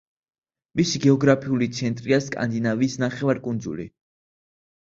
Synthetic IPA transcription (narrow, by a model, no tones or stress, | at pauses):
misiɡɛɔɡɾapʰiulit̪sʰɛnt̪ʼɾiaskʼa̰nd̪inavisnaχɛvaɾkʼund̪zṵlḭ